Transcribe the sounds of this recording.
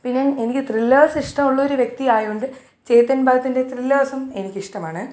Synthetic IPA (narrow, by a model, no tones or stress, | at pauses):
pinːjɐne̞nikʲːɨt̪rilːɐːɐsiʂʈɐmuɭːɐoɾuʋje̞k̚t̪iaːjuɳɖɨ | t͡ɕe̞jt̪ːɐnbʱaːɐt̪ːinde̞t̪rilːɐːɐsɐme̞nikʲːɨiʂʈɐmaːɳɨ